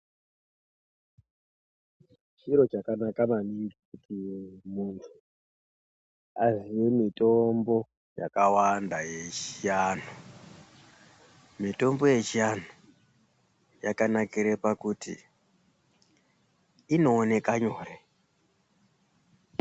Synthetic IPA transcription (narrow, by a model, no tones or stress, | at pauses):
t͡ʃiɾo̞t͡ʃakanakamaniŋɡikutimuntʰu | aziwemitombo̞ | ja̰kawandaje̞t͡ʃianu | mito̞mbo̞je̞t͡ʃian̤u | jakanakiɾepakutḭ | ino̞ːne̞kaɲoːre